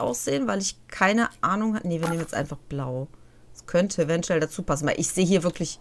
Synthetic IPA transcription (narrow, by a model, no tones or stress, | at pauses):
ʔa̰ʊsz̥eːənvaɪlɪçkʰaɪnəʔaːnʊŋhatənəviːɐneːmənɛsʔaɪnfaχb̥laʊ̥ | skʰœntʰəevɛntuɛldat͡suːpʰasn̩vaɪlʔɪçz̥eːɦiːɐvɪɐklɪç